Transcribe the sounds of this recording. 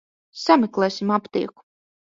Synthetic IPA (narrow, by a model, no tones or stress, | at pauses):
samʲɛklˠɛːsimapt̪ḭːɛku̥